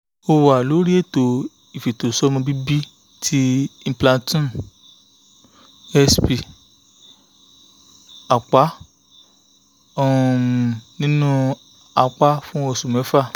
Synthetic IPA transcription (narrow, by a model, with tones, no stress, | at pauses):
o˧wa˨lo˨˦ɾi˦e˦˨to˨ | i˨fi˨to˨sɔ˦mɔ̃˧bi˦bi˦ | tʰi˦ĩ˦˧˦plã˧tũ˦˨ | ɛ˧spi˧˨ | a˨k͡pa˨˦ | ɔ̃˦˧˨nĩ˦nũ˦ | a˧k͡pa˦fũ˦o˧su˨mɛ̃˨˦fa˦˨